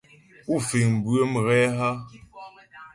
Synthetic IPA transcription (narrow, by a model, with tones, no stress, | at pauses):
u˦˨fi˨ŋm̩˨bwə˦m˨ɣɛ˦ɦa˦